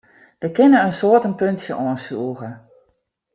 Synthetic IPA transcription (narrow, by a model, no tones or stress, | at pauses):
dəkɪnəənsoətənpøntsjəʔɔːənsuəɣə